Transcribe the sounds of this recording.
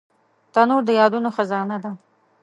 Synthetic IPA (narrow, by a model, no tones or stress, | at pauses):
t̪anuɾd̪əjɑd̪unoxazɑnad̪a